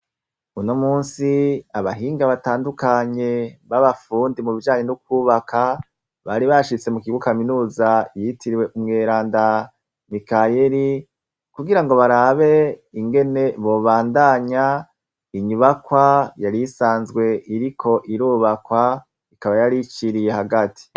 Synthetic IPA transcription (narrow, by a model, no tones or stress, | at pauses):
unomuːnsiaβaɦiːŋɡaβataːndukaɲe̞βaβafuːndimuβid͡ʒaːɲe̞nuk̚wuːβakʰa | βaɾiβaʃit͡se̞mukiɡwukaminuːzajitiɾiwe̞ʔumŋe̞ɾaːnda | nikajeɾi | kuɡiɾaŋɡo̞βaɾaβe̞iŋɡe̞ne̞βo̞ːβaːndaɲa | iɲuβakwajaɾisaːnzɡwe̞ʔiɾikʰo̞ʔiɾuːβakwa | ikaβajaɾit͡ʃiɾije̞haɡati̥